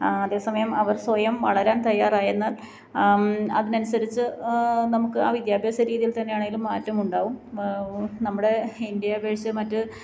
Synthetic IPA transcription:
ɐðe̞ːsɐmɐjɐmɐʋɐrswɐjɐmʋɐɭɐɾaːnt̪ɐjːaːraːjenːaːl | ɐðinɐnusɐɾit͡ɕːɨnɐmukːɨaːʋid̪jaːbʱjeːsɐɾiːðijilt̪ɐnːe̞jaːɳeŋɡilumːaːtːɐmuɳɖaːʋum | nɐmːuɽe̞ind̪jaːbʱeːʂjɐmɐtːɨ

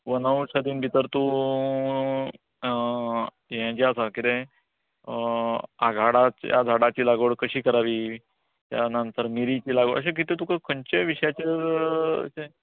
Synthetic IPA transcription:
ʋənawɕad̪iːnbʱit̪əɾt̪u | jãt͡ɕeasakit̪ẽ | aɡʱaɽat͡ɕja̰d͡z̪ʱaɽat͡ɕiːlaɡəɽkəɕiːkəɾaʋiː | t̪ja̰nant̪əɾmiɾit͡ɕiːlaɡəʔə̰ɕ̬ẽk̬it̪et̪ukəkʰəɲt͡ɕeʋiɕjat͡ɕḛ | se

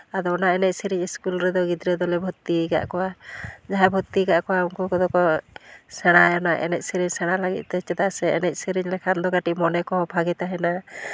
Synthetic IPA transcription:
ad̪ɔɔnaɛnɛc̪̚siɾiɲiskulɾɛd̪ɔɡid̪ɾɛd̪ɔlɛbʱut̪ːiɡa̰ʔkɔwad͡ʒaɦɛbʱut̪ːiɡaʔkɔwauŋkukɔd̪ɔkɔsɛɽ̃ajɔnaʔɛ̰nɛc̚siɾiɲsɛɽ̃alaɡḭt̪̚ˀt̪ɛt͡ʃɛd̪asɛɛnɛc̪̚ˀsiɾiɲlɛkʰand̪ɔɡaʈiʔmɔnɛkɔɦɔ̃bʱaɡɛt̪aɦɛna

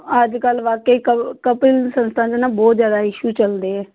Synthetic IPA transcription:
əd͡ʒkəlʋaːkeiːkəkəpilsənst̪ʰãːd͡ʒenãːbɔːt̪zjaːd̪aːɪʃut͡ʃəld̪eːɛː

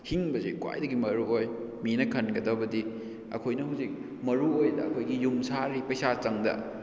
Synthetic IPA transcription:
hiŋbɐzekwa̰jdɐɡimɐɾuoj | minɐkʰɐnɡɐdɐbɐdi | ɐ̰kʰojnɐɦuwzik̚ | mɐɾuojdɐɐkʰojɡijumsaɾipɐjsat͡ʃɐŋdɐ̰

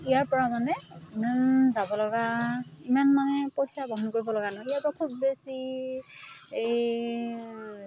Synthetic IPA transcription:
ijaɹpɔɹamanɛimanzabɔlɔɡaimanmanɛpojsabʱɔɦnkoɹibɔlɔɡanaiapakʰubːesi | ej

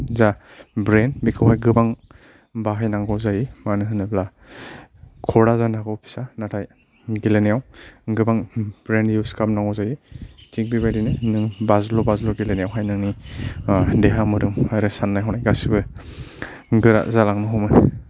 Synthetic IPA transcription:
zabɾenbikʰɯwhajɡɯbaŋ | baɦajnaŋɡɔzajimanɯɦɯnɯbla | kʰɔɾazanaɡɔwpʰi̥sanatʰaj | ɡilenejawɡɯbaŋb̥ɾenjuskʰap̚naŋɔwzajitʰiŋ̚bibajdinɯnɯŋbazlobazloɡilenejawɦajnaŋni | deɦamɯɾɯmaɾɯsanːajɦɔnajɡasibɯ | ɡɯɾa̰ʔzalaŋnɯɦɔmɯ

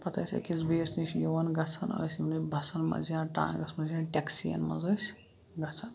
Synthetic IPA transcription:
pɐt̪ɐjsʲɐ̰kizbeːsnisjowɐnɡɐt͡sʰɐno̰simnibʱɐsɐnmɐ̰zijãːʈã̰ːɡɐsʰmɐziãːʈʲeksiɐ̰nmɐ̰zɐs | ɡɐt͡sʰɐn

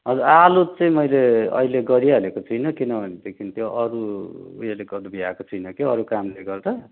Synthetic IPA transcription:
ɦʌd͡zuɾalut̚t͡sʌĩmʌjleʌ̰ileɡʌɾiaʌlekot͡sʰʌjnʌkinʌbʱʌned̪ekʰint̪joʔʌɾṵːjeleɡʌd̪biakot͡sʰʌjnʌkeʌɾukamleɡʌrɾʌ

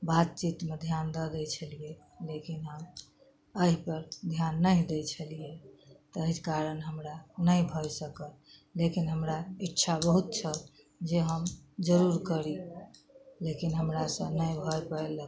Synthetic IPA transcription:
bat̪̚t͡ʃit̪med̪ʱjand̪əd̪ɛt͡ʃʰəlije | lekinɦəm | əɦipəɾd̪ʱjanːəĩd̪ɛt͡ʃʰəlijet̪əɦikaɾənɦəmɾanəjbʱɔjsəkəl | lekinɦəmɾaitːʃʰabəɦut̪̚t͡ʃʰət̪ | d͡ʒeɦəmd͡ʒəɾuɾkəɾi | lekinɦəmɾasə̃nəjbʱɔjpəelə

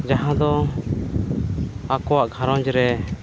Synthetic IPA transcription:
d͡ʒaɦãd̪ɔ | akɔwaʔɡʱãɾɔ̃d͡ʒɾɛ

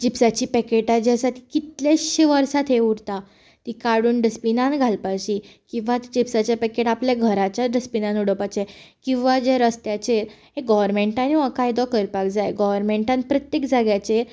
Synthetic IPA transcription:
d͡ʑipsat͡ɕiːpɛkeʈad͡ʑasat̪ikit̪ljaɕiʋəɾsat̪ʰɦeuɽt̪a | t̪ikaɽuːnɖəspinãnɡʱalpaɕikĩw̃ʋat̪d͡ʑipsat͡ɕapɛkeʈapljaɡʱəɾat͡ɕjaɖəspinãnuɽəpat͡ɕekĩw̃ʋad͡ʑeɾəst̪jat͡ɕeɾɦeɡɔʋəɾmẽɳʈaniəkajd̪ɔkəɾpakd͡zajɡɔʋəɾmẽɳʈãnt̪̚pɾət̪jekd͡zaɡjat͡ɕeɾ

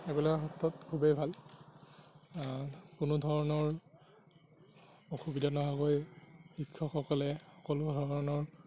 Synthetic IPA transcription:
ɛbelɔkɛxɔtːɔtkʰubejbʱal | kʊnʊdʱɔɹɔnɔɹ | oxubidʱanɔɦaɡojxikʰːɔxɔkɔlɛxɔkɔlʊdʱɔɹɔnɔɹ

